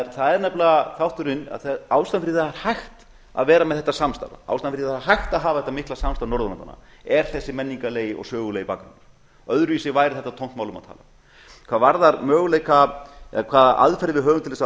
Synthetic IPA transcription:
ɾθaðɛɾnaplθawht̪ʏɾɪnːa̰ðθawst̪anfɪɾiðaaɾhajxt̪ | a̰ðvɛːɾamɛðθɛht̪ːasamst̪a̰la̰a̰wst̪anfɪɾiðaaɦajxt̪aðɦaːvaθɛ̥t̪amɪhklasamst̪aɾnɔɾðʏmant̪a̰na̰ɛɾ̥θɛsːɪmɛnːiŋkaleːjɪɔ̰ɣsœːɣʏlejipaːkanʏɾ̥ | ɔœðɾʏvisɪvaːjɾɪθɛt̪at̪ʰown̥t̪mawlʏma̰ðt̪ʰa̰ːla | kʰv̥aːvaɾðaɾmœːɣʏleːjkʰaɛkʰvaːðʔa̰ðfɛɾðɪvɪðɦœːɣʏmt̪ɪlθɛs

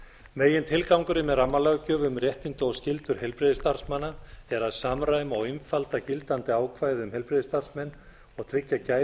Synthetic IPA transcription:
meːjɪnt̪ʰɪlkawŋkʏɾɪmɛðramːalœɣcʏvʏmrjɛht̪int̪ʏɔscɪlt̪ʏɾ̥hɛlpɾɪðɪst̪ar̥smanːaɛɾaðsamɾaːjmaɣɪmfalt̪acɪlt̪ant̪ɪaːwkʰvaːjðɪʏmhɛlpɾɪðɪst̪ar̥smɛnː | ɔɣt̪ʰɾɪcːacaːj

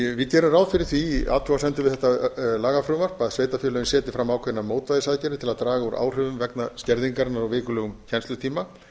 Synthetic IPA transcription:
vɪc̪ɛːɾʏmɾawðfɪɾɪɾ̥θvia̰t̪ʰɾɔasɛnt̪ʏɾvɪðɛht̪ːalaːɣafɾʏvar̥paðsveːjt̪afjʏːlœjɪnsɛːt̪ɪfɾamːaːwkʰɛnːamoːwt̪vajðɪsaðcɛɾɪt̪ʰɪlaðt̪ɾaːɣauɾʔa̰ːwr̥ʏvʏmvɛknascɛɾðiŋkaɾɪnaɾavɪːkʏlœːɣʏmcʰɛnst̪lʏt̪ʰiːma

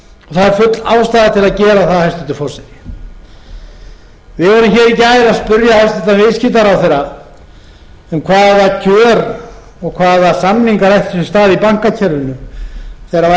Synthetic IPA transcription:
ɔθaðɛɾfʏt̪laːwst̪aːðat̪ʰɪlaðcɛːɾaθaðhajst̪ʏnt̪ɪ̥fɔɾ̥sɛɾɪ | vɪðvɔɾʏmçɛːɾicajɪlaspʏɾjaast̪ɛt̪anvɪðscɪt̪aɾawθejɾa | ʏmkʰvaːðacʰœːɾ | ɔɣkʰvaːðasanːiŋkaɾajht̪ʏsɛst̪aːðipaŋ̥kacʰɛɾvʏnʏθejɾa

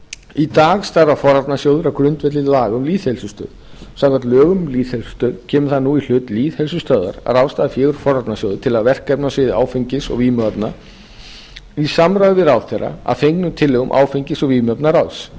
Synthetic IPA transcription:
it̪aːɣst̪aɾafɔɾat̪nasjoːwðʏɾawkɾʏnt̪vɛt̪lɪlaːɣʏmliːðhɛlsʏst̪œ̰ːðsamŋkvaɾt̪lœːɣʏmliːðhɛlsʏ̥st̪œːðcʰɛːmʏ̥θaðnuil̥ʏːt̪liːθhɛls̬ʏst̪œːða̰ɾa̰ɾaːwst̪aːðafjɛːɣʏɾ̥fɔɾat̪nasjoːwðʏ̥t̪ʰɪlaðvɛr̥kɛpnasɪðɪa̰ːwfiɲcɪsɔ̰ɣimœpna | isamɾaɣʏvɪðɾaːwθɛɾa̰a̰ðfejŋknʏt̪ʰɪlːɛɣʏmʔa̰ːwfiɲcɪsɔɣimœpnaɾaws

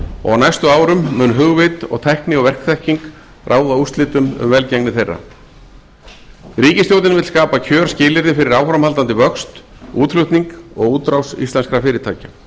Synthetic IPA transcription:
ɔ̰ɣawnajst̪ʏaːwɾʏmːʏːnɦʏɣvɪt̪ɔ̰ɣt̪ʰɛhknɪɔɣvɛr̥kθɛhciŋk | rʔaːwðaust̪lɪːt̪ʏmʏ̰mvɛlcɛŋnɪθejrːa̰ | ɾiːcɪst̪jowt̪̬ɪnvɪt̪skaːpacʰœːɾ̥scɪːlɪɾðɪfɪɾɪɾaːwfɾamhalt̪ant̪ɪvœkst̪uːt̪lʏht̪niŋkɔɣuːt̪ɾawsḭst̪aɛnskɾafɪːɾɪt̪ʰaːca

